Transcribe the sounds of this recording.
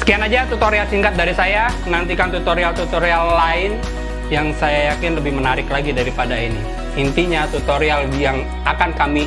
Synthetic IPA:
sə̥kianad͡ʒat̪ut̪oɾialsiŋkat̪̚daɾisaja | nant̪ikant̪ut̪oɾialt̪ut̪oɾialːaɪn | jaŋsajajakɪnləbɪhmənaɾɪklaɡidaɾipadaini | int̪iɲat̪ut̪oɾialijaŋ | akankami

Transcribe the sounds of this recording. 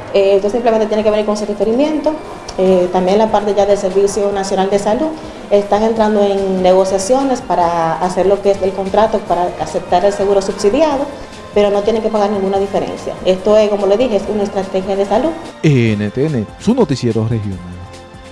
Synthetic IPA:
eet̪osimplement̪jenekeeniɾko̞ŋserifeɾimje̞nt̪o̞ | et̪ambje̞ŋlapaɾt̪e̞ʝaðe̞lse̞ɾβisjo̞nasjo̞nald̪e̞saluð | est̪aŋe̞nt̪ɾand̪o̞eŋne̞ɣ̞o̞sjasjo̞ne̞spaɾaːse̞ɾlo̞keeselko̞nt̪ɾat̪o̞paɾaase̞p̚t̪aɾelse̞ɣuɾo̞subsiðjaðo̞ | pe̞ɾo̞no̞t̪je̞neŋke̞paɣaɾnĩŋɡunaðife̞ɾe̞̰nsja̰e̞st̪o̞esko̞mo̞le̞ðixeesunaest̪ɾat̪e̞xjaðe̞saluðeenet̪eenesunot̪isjeɾorehjo̰nal

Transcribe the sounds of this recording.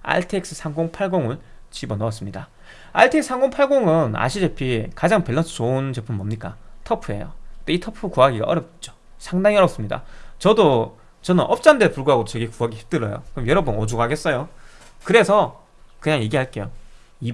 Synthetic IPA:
a̰ɭtʰek̚s͈ɯ̥sʰaŋɡoŋpʰaɭɡoŋɯɭ | t͡ɕibʌnʌʌs͈ɯmɲida | a̰ɭtʰeksɯ̥sʰaŋɡoŋpʰaɭɡoŋɯna̰ɕʰid͡ʑe̞pʰikad͡ʑaŋpe̞ɭːʌsʰɯ̥t͡ɕount͡ɕe̞pʰɯmbʌmɲik͈a̰tʰʌpʰue̞̰jo̰t͈oitʰʌpʰɯkuaɡiɡa̰ʔʌɾʌp̚t͡ɕ͈o | sʰaŋdaŋiʌɾʌps͈ɯmɲida̰t͡ɕʌdo | t͡ɕʌnɯnʔʌp̚t͡ɕ͈andepuɭɡuɦaɡodot͡ɕe̞ɡekuɦaɡiçi̥p̚t͈ɯɾʌjo̰kɯɾʌmjʌɾʌbunod͡ʑuɡɦaɡe̞s͈ʌjo | kɯɾe̞sʰʌ | kɯɲaŋje̞ɡiɦaɭk͈e̞jo | i

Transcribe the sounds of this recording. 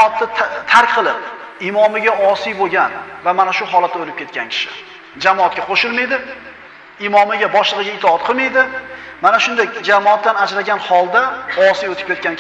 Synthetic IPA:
t̪ːat̪ʰaɾkʲqʰɨlˠɪp | ɪmɒmɪɡʲaʔɒsijboɡʲanvamanaʃʊɦɒlˠat̪̚ːaolɪp̚kʲet̪kʲʰankʲʰɪ̥ʃɪ | d͡ʒamɒːt̪̚kʲaqʰoʃɪlˠmajd̪ɪ | ɪmɒmɪɡʲabɒʃlˠɨʁɨɡʲaɪt̪ʰɒɑt̪̚qʰɨlˠmajd̪ɪmanaʃʊnd̪ekʲd͡ʒamɒat̪ːanad͡ʒɾaɡʲanhɒlˠd̪aɒsijot̪ʰɪ̥p̚kʲe̞t̪̚kʲanʲ

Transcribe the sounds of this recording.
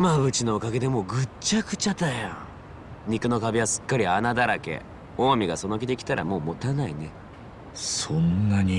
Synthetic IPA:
mabɯ̟t͡ɕino̞ːkaɡe̞d̪e̞mo̞ɡɯ̟t͡ɕakɯ̟̥t͡ɕat̪ajã | ɲ̟ikɯ̟no̞kabʲiβasɨ̥kːaɾʲianad̪aɾake̞̰ | o̞ːmʲiɡaso̞no̞kʲid̪e̞kʲi̥t̪aɾʔa̰mo̞ːmo̞t̪anaḭne̞ | sõnːaɲi

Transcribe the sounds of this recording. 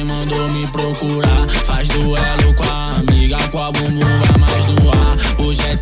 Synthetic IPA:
mɐ̃nd̪omɪpɾokuɾafazd̪ʊɛʎʊka | amiɡakõabũbũvamajzd̪ʊaɾʊʒɛ

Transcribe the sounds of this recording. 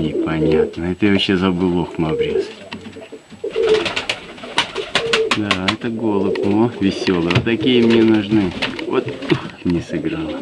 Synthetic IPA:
nʲɪpɐnʲat̪nəɛt̪əjvɐɕːezɐbɨlˠoxmɐbɾʲes | d̪aɛt̪əɡo̞lˠəpmovʲɪsʲo̞lˠəət̪ːɐkʲijəmnʲenʊʐnɨvo̰t̪uxmnʲesɨɡɾalˠ

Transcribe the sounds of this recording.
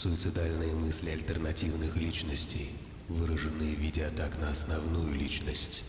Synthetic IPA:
sʊɪt̪sɨd̪alʲnɨjəmɨsʲlʲɪɐlʲt̪ərnɐtʲivnɨxlʲit͡ɕnəsʲtʲej | vɨɾəʐɨnːɨjəvʲidʲɪɐt̪aknəɐsnɐvnujʊlʲit͡ɕnəsʲtʲ

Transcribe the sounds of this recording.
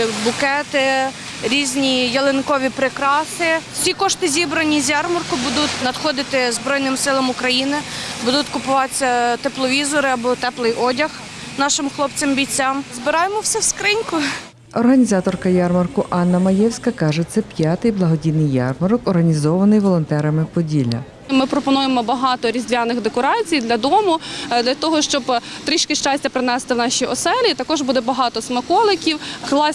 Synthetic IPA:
bʊkɛt̪ɪ | ɾʲizʲnʲijɐlˠenkɔʋʲipɾekɾɑsɪwsʲikɔʃt̪ɪzʲibɾɐnʲizʲjɑrmɐrkʊbud̪ʊt̪ʲnɐd̪xɔd̪ɪt̪ɪzbɾɔjnɪmsɪlˠɐmʊkɾɐjinɪbud̪ʊt̪ʲkʊpʊʋɑt͡sʲːɐt̪eplˠɔʋʲizɔɾɪɐbɔt̪ɛplˠɪjʔɔdʲɐx | nɑʃɪmxlˠɔpt͡sʲembʲit͡sʲːamzbɪɾɑjemɔwsʲɛwskɾɪnʲkʊ | ɔrɦɐnʲizɑt̪ɔrkɐjɑrmɐrkʊʔɑnːɐmɐjɛwsʲkɐkɑʒɛt̪sɛpʲjɑt̪ɪjblˠɐɦɔdʲinɪjjːɑ̰rmɐɾɔkɔrɦɐnʲizɔʋɐnɪjʋɔlˠɔnt̪ɛɾɐmɪpɔdʲilʲɐ̰ | mɪpɾɔpɔnujemɔbɐɦɑt̪ɔɾʲizd̪ʲʋʲjanɪxd̪ekɔɾɑt͡sʲijd̪lʲɐd̪ɔmʊd̪lʲɐt̪ɔɦɔʃt͡ʃɔbt̪ɾiʃkɪʃt͡ʃɑsʲtʲɐpɾɪnɛst̪ɪwnɑʃʲiɔsɛlʲit̪ɐkɔʒbud̪ɛbɐɦɑt̪ɔsmɐkɔlˠɪkʲiwklˠɑ

